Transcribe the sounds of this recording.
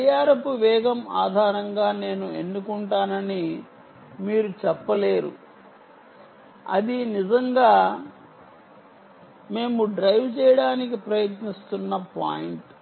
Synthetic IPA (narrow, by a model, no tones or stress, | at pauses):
ijaːɾɐpuʋɛːɡɐmaːd̪ʱaːɾɐŋɡaːne̞ːnue̞nːukuɳʈaːnɐni | miːɾut͡ʃɛpːɐle̞ːɾṵ | ɐ̰d̪inizɐŋɡaː | me̞ːmuɖɾɐjʋt͡ʃɛːjɐɽaːnikipɾɐjɐt̪nist̪unːɐpa̰ːjiɳʈ